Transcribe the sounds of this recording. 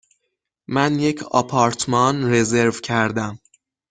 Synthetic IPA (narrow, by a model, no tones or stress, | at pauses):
mænje̞cʰɒ̰pʰɒːɾt̪ʰmɒnɾe̞ze̞ɾvcʰæɾd̪æm